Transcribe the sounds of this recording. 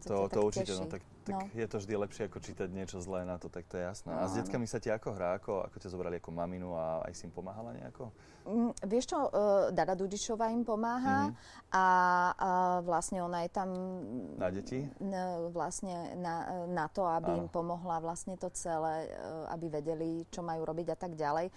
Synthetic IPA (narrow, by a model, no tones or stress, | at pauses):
t̪t̪ɔt̪ɔuɾt͡ʃicɛɔt̪ak | t̪ankjɛt̪ɔvʒd̪ilɛpʃɪɛakɔt͡ʃiːt̪aɟɲɪɛt͡ʃɔzlɛːnat̪ɔt̪ak̚t̪ɔjɛjasnɛ̰ːʔazɟɛt͡skamisaciakɔɦɾaːakɔa̰kɔcazɔbɾaliakɔmaminuaa̰jsiimpɔmaːɦalaɲɛ̰a̰kɔ | ʋɪɛʃt͡ʃɔd̪ad̪ad̪uɟit͡ʃɔʋaːimpɔmaːɦa | ʔa | ʋlasɲɛɔnajɛt̪amnaɟɛci | ʋlasɲɛnanat̪ɔabiimpɔmɔɦlaʋlasɲɛt̪ɔt͡sɛlɛːa̰biʋɛɟɛlit͡ʃɔmajuːɾɔbiɟat̪aɡɟalɛj